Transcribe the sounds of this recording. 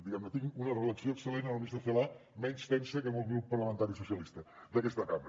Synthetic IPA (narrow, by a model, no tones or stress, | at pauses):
d̪iɣɛmnət̪iŋunərələksioəksəlenənlˠβizðəfelamɛnst̪ɛnsəkemolˠɣɾupːərləmənt̪aɾisusijəlist̪əd̪əkɛst̪əkamɾə